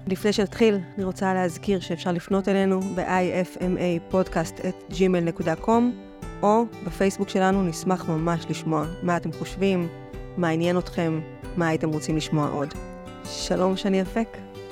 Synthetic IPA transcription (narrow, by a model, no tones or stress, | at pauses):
lifne̞jʃe̞natχilaniʁo̞t͡saleɦazkiʁʃe̞ːfʃaʁlifno̞te̞le̞nube̞̰ʔajefemʔejpo̞dkastetd͡ʒimelne̞kudakʰo̞m | ʔo̞befe̞jsbukʃe̞lanunismaχmamaʃliʃmo̞amaːte̞mχoʃvimː | eanje̞no̞tχe̞mː | aːite̞mʁo̞t͡simliʃmo̞a̰ʔo̞̰d | ʃalo̞mʃeaniafe̞k